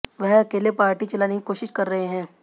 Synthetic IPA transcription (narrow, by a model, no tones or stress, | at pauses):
ʋɛɦɐkeːlepaːɾʈit͡ʃɐlaːnekikoːʃɪʃkɐɾːɐɦeɦɛ̃ː